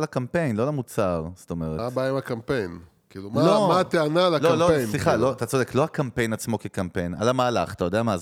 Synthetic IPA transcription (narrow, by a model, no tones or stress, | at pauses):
lakampe̞jnlo̞lamut͡saʁst̪o̞me̞ʁeabajimakampe̞jn | kiːlumalomat̪eanalalamloesnliχaloat̪at͡sode̞klo̞akampe̞jnat͡smo̞kekampe̞jna̰lamaːla̰χat̪ajo̞d̪eamaz